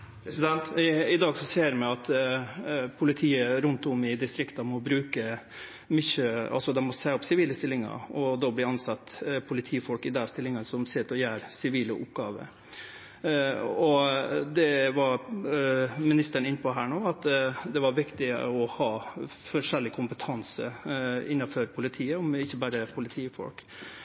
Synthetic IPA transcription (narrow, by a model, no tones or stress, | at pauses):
pʰɛsɪd̪ɛnt̪ɪd̪ɑːɡsɔseːɾmɛɑt̪ | pʰʊlɪt̪ʰiːəɾʉnt̪ʊmɪd̪ɪst̪ɾɪkt̪ɑmɔbɾʉːkə | mʏçøɑ̰lsɔd̪ɛmɔseːɔpsɪʋiːləst̪ɪlːɪŋɑ̰ɔd̪oːblɪɑnsɑt̪ːpʰʊlɪt̪ʰiːfɔlkɪd̪ɛst̪ɪlːɪŋənsɔmsɪt̪ːɔjæːɾsɪʋiːlə̰ʔʊ̰pɡɑːʋə̰ | ɔd̪ɛʋɑɾ | mɪnɪst̪əɳɪnːəpʰɔɦæːɳoːɑt̪d̪ɛʋɑɾʋɪkt̪ɪɔhɑː | fɔʂɛlːɪkʰʊmpət̪ʰɑnsə̰ɪnːɑfœɾpʰʊlɪt̪ʰiːəɔmɪçːəbæːɾəpʰʊlɪt̪ʰiːfɔ̰lk